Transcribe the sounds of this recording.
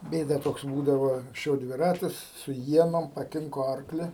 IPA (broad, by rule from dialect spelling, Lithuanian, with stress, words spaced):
ˈbʲeːdɐ ˈtoːks ˈbuːdɐʋoː ɐŋksʲˈt͡ʃʲɛʊ dʲʋʲɪˈrɑːtʲɪs sʊ ˈiɛnoːm pɐˈkʲɪŋkoː ˈɐrklʲɪ